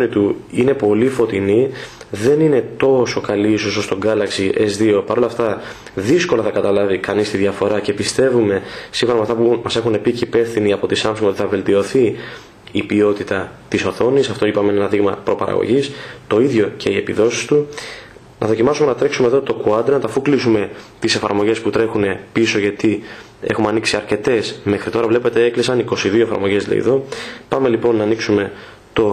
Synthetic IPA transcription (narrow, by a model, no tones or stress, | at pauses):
nit̪uine̞po̞lifo̞t̪ini | ðe̞nine̞t̪o̞so̞kɐliisosost̪o̞ŋɡɐlɐksiʔe̞zðio̞pɐɾo̞lɐft̪ɐ | ðisko̞lɐθɐkɐt̪ɐlɐvikɐnist̪iðʝɐfo̞ɾɐce̞pist̪e̞vume̞siŋxoɾɐmɐft̪ɐpumɐse̞xunepicepe̞fθiniɐpo̞t̪isɐmsoŋoiθɐve̞lt̪io̞θi | ipio̞t̪it̪ɐt̪iso̞θo̞nisɐft̪o̞ipɐmenenɐðiɣmɐpɾo̞pɐ̰ɾɐ̰ɣo̰ʝist̪o̞iðʝo̞cʰe̞ie̞piðo̞si̥st̪u | nɐðo̞cimɐsume̞nɐt̪ɾe̞ksume̞ðo̞t̪o̞kuɐd̪enɐt̪ɐfuklisume̞t̪ise̞fɐ̰ɾmo̞ʝe̞sput̪ɾe̞xune̞piso̞ʝɐt̪i | exumeɐniksiɐɾce̞t̪e̞sme̞xɾit̪o̞ɾɐvle̞pe̞t̪eeklisɐniko̞siðio̞e̞fɐ̰ɾmo̞ʝezlɐ̰ḭðo̞pɐme̞lipo̞nːɐːniksume̞ | t̪o̞